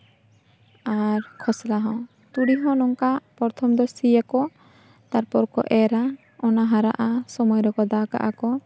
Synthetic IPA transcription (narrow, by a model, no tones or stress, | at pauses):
aɾkʰɔslaɦɔ̃ | t̪uɽiɦɔ̃nɔŋkapɔɾt̪ʰɔmd̪ɔsijakɔ | t̪aɾpɔɾkɔ̰ʔɛɾa | ɔnaɦaɾa̰ʔasɔmɔjɾɔkɔd̪aka̰ʔakɔ